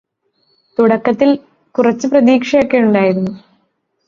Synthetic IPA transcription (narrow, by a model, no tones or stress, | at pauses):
t̪uɽɐkːɐt̪ːil | kurɐt͡ɕːɨprɐðiːkʂɐjokːejuɳɖaːjiɾunːu